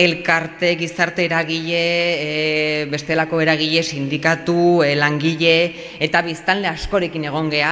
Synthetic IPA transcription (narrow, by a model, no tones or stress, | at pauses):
e̞lkaɾt̪e̞ɣisaɾt̪e̞ːɾaɣ̞iʎe̞ | βe̞st̪e̞lako̞e̞ɾaɣ̞iʎe̞sind̪ikat̪ulaŋɡiʎe̞ː | t̪aβ̞ist̪alle̞asko̞ɾe̞kine̞ɣ̞o̞ŋɡe̞a